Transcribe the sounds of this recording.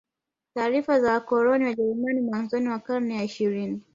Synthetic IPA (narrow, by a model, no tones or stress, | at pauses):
taːɾifazawakɔɾɔniwaʄɛɾumanimwanzɔniwakaɾnɛjaiʃiɾini